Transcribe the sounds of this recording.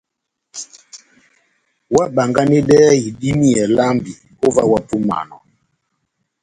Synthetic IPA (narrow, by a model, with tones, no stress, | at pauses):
wa˦ɓa˨ŋɡa˦ni˦dɛ˦i˨di˦mi˦ɛ˨la˦mbi˨ | o˦va˦wa˦pu˦ma̰˨nɔ̰˨